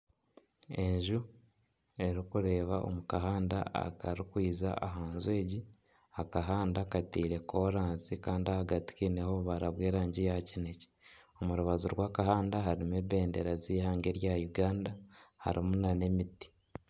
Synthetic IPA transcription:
e̞ɲʒu | e̞ɾikuɾe̞ːβaʔo̰mukaɦaːnda̰a̰kaɾikwiːza̰aɦaːnzwe̞ːɟi | akaɦaːndakatiːɾe̞kʰoɾaːnsikaːndiahaɡati̥kineho̞βaɾaβwe̞ːɾaːɲɟijacinece̥omuɾuβazuɾɡwaːkahaːndaɦaɾimeβe̞ːnde̞ɾaziːhaːŋɡe̞ɾjajuɡaːndaha̰ɾimunane̞miti̥

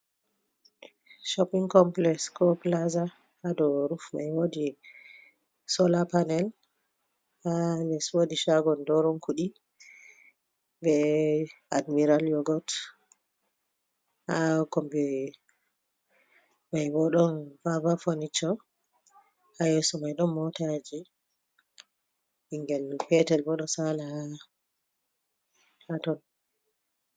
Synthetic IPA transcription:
ʃɔpiŋkɔmplɛskɔplaza | hadɔɾufma̰jwodi | sɔlapanɛl | halɛswodiʃaɡɔndɔɾɔnkʰuɗi | bɛ | admiɾaljɔɡɔt | hakɔmbɛ | majbɔɗɔnbabafonit͡ʃːɔ | hajɛsɔmajɗɔmːɔtad͡ʒɛ | iŋɡɛlpɛtɛlbɔɗɔsala | hatɔn

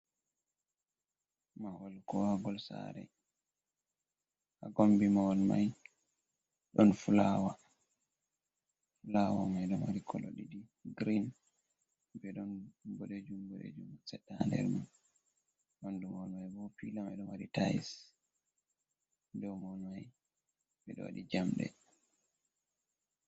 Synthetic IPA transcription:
mawɔlkɔwaɡɔlsa̰ɾɛ̰ | haɡombimawɔlma̰j | ɗɔnfulawa | fulawa̰majɗɔmwaɾikʰɔlo̰ɗidiɡɾin | bɛɗɔnboled͡ʒumbolḛd͡ʒumsɛɗːaandɛ̰ɾman | mandumɔlmajbɔpilamajɗɔmwaɾitajis | dɔmɔnmaj | bɛɗɔ̰wa̰ɗid͡ʒamɗɛ̰

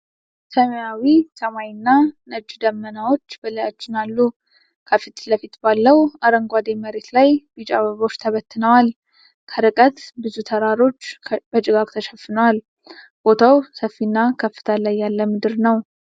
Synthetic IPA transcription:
səməjawisəmajnːanəd͡ʒd̪əmːənawo̞t͡ʃːbələjat͡ʃːɪnalːu | kʰəfit̪ləfit̪balːəwaɾəŋɡʷad̪eməɾe̞t̪lajbit͡ʃʼa̰βəβo̞t͡ʃːt̪ʰəβət̪ːɨnəwal | kʰəɾɨkʼət̪bɨzut̪ʰəɾaɾo̞t͡ʃːb̥ət͡ʃʼɪɡakʼt̪ʰəʃɛfːɨnəwal | b̥o̞t̪ʰawsəfːinːakʰəfːɨ̥t̪ʰəlajːalːəmɨd̪ɨɾnəw

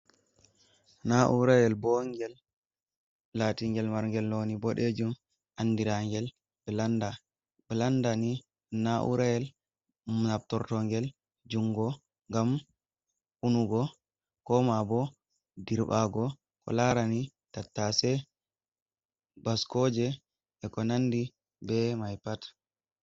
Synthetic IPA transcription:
naʔuɾajɛlbɔŋɡɛl | atiŋɡɛlmaɾŋɡɛlnonibɔɗed͡ʒum | ʔanːdiɾaŋɡɛl | bəlanda | bɛlandani | naʔṵɾajɛl | nab̚tɔɾtɔŋɡɛl | d͡ʒuŋɡɔ | ŋɡam | unuɡɔ | kɔmabɔ | diɾbaɡɔ | kɔ̰laɾani | tatːasɛ | baskɔːd͡ʒɛ | ʔɛkɔnanːdi | bɛmajpatḁ

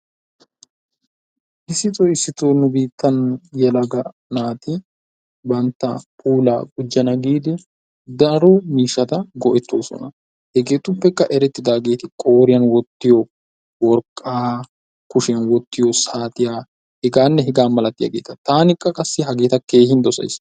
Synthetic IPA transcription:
ʔɪsːɪt̪ʼɔɪsːɪt̪oːnʊbiːt̪ːɐnjɛlɐɡɐ | naːt̪ɪ | bɐnt̪ːɐ̰pʼuːla̰ːɡʊd͡ʒːɐnɐɡiːd̪ɪ | d̪ɐɾɔmiːʃːɐt̪ɐɡɔʔɛt̪ːo̞ːsɔ̰nɐ | hɛɡe̞ːt̪ʊpːɛkːɐʔɛɾɛt̪ːɪd̪aːɡe̞ːt̪ɪkʼo̞ːɾɪjɐnwɔt̪ːɪjɔ | wɔɾkʼːaː | kʊʃɪjɐnwɔt̪ːɪjɔsaːt̪ɪjaː | hɪɡaːnːɛɦɪɡaːnmɐlɐt̪ːɪjɐ̰ɡḛːt̪ɐt̪aːnɪkʼːɐkʼɐsːɪɦɐɡe̞ːt̪ɐke̞ːhɪnd̪ɔsɐ̰js

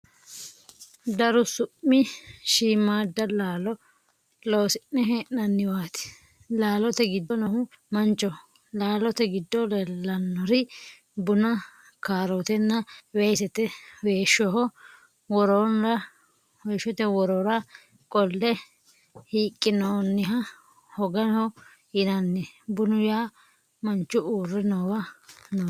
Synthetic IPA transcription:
d̪ɐɾʊsʊpːɪʃiːmːaːd̪ːɐlaːlɔ | loːsɪnːɛɦeʔnɐnːɪwaːt̪ɪ̥ | laːlɔt̪ɛɡɪd̪ɔnɔhʊ | mɐnt͡ʃːɔ | laːlɔt̪ɛɡɪd̪ːɔlɛlːɐnːɔɾɪ | bʊnɐ | kaːɾot̪ɛnːɐwɛjsɛt̪ɛweːʃɔhɔ | wɔɾonɾɐ | weːʃɔt̪ɛwɔɾɔɾɐ | kʼɔlːɛ | hiːkʼːɪnɔnːɪɦɐ | hɔɡɐhɔ | ɪnɐnːɛbʊnʊjaː | mɐnt͡ʃːʊuːrːɛnɔwɐnɔ

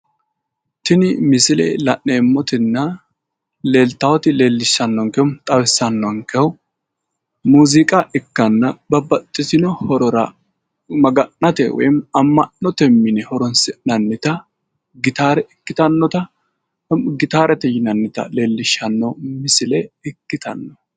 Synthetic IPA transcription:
t̪ɪnɪmɪsɪlɛ̰lɐʔːemːɔt̪ɪnːɐ | leːlt̪ɐwɔt̪ɪle̞ːlːɪʃːɐnːɔŋkɛʊmt̪ʼɐwɪsːɐnːɔŋkɛw | muːzɪkʼɐʔɪkːɐnːɐbɐbɐt̪ʼːɪsɪnɔhɔɾɔɾɐ | mɐɡɐnːɐt̪ɛ̰wɔ̰jmɐmːɐnːɔt̪ɛmːɪnɛhɔɾɔnsɛnɐnːɪt̪ɐ | ɡɪt̪aːɾɛʔɪkːɪt̪ɐnːɔt̪ɐ | ɡɪt̪aːɾɛt̪ɛjɪnɐnːɪt̪ɐ̰le̞ːlːɪʃɐnːɔmɪsɪlɛɪkːɪt̪ɐ̰nːɔ

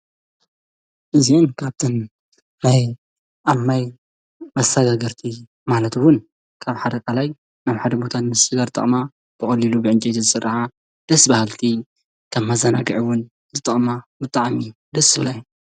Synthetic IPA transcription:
ʔɨzinkʰaβt̪ʰɨn | naj | ʔaβmaj | mɐst̪ʰɐɡaɡɐɾt̪ʰi | malɐt̪wʊn | kʰaβħad̪ɐkʼalaj | naβħad̪ɐbo̞t̪ʰanmɨssɨɡaɾt̪ʼɐ̰χʼma | b̥ɨxʼɐlilubɨʕɨnt͡ʃʼet̪ʰizɨsɨrːaħa | d̪̥ɐsːbahalt̪ʰi | kʰɐmːazɐnaɡɨʕiwʊn | zɨt̪ʼɐχʼmabɨt̪ʼaʕmi | d̪ɐsɨβlaj

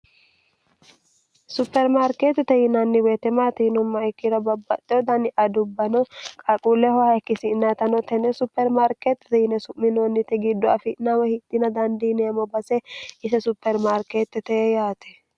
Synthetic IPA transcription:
sʊpːɛɾmaɾkeːt̪ːɛt̪ɛhɪnɐnːɪweːt̪ɛmaːt̪ɛhɪnʊmːɐɛkːɪɾɐbɐbːɐt̪ʼːɛɔd̪ɐnɪʔɐd̪ʊbːɐnɔkʼakʼuːlɛhɔhɐkːɪsɪnːɐt̪ɐnɔt̪ɛnɛsʊpːɛɾmaɾket̪ːɛ̥t̪ɛhɪnɛsʊmːɪnonːɪt̪ɛɡɪd̪ːɔɐfɪnawɛhɪt̪ːɪnɐd̪ɐnd̪inɛjɐmɔbɐsɛɪsɛsʊpːɛɾmaɾkeːt̪ːɛt̪ɛɛjaːt̪ʰɛ̥

